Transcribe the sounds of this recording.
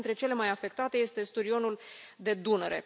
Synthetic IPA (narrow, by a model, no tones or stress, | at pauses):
nt̪ɾe̞t͡ʃe̞le̞majafe̞kt̪at̪e̞je̞st̪e̞st̪uɾio̞nuld̪e̞d̪uneɾe̞̰